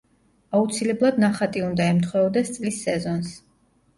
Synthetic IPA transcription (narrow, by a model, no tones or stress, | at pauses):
aut̪sʰilɛblˠad̪naχat̪ʼiund̪aɛmt̪ʰχwɛɔd̪ɛst̪sʼlisːɛzɔns